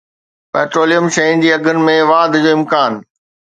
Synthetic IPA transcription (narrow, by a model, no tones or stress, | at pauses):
pɛːʈɾoːlijəmʃɐɦĩn̆d͡ʑiːɐɡʱənɪ̆mẽʋaːd̪ʱd͡ʑoːɪmkaːn